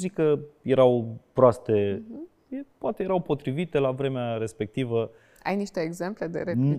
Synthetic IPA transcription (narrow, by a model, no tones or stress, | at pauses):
zikəje̞ɾawpɾoast̪e̞ | jepoat̪e̞jeɾawpo̞t̪ɾivit̪e̞lavɾe̞meaɾe̞spe̞k̚t̪ivə | a̰jniʃt̪e̞ːɡze̞mple̞d̪e̞̰ɾe